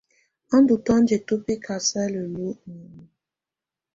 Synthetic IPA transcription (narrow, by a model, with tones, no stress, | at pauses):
a˦n˦du˨tɔ˦n̩˦d͡ʒe˨to˦pe˦kʰa˨sɛ˦le˨lo˦˨nu˨mu˨